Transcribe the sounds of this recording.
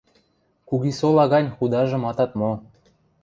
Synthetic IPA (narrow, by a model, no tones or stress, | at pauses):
kuɣisolɑɣɑnʲxud̪ɑʒɤ̆mɑt̪ɑt̪mo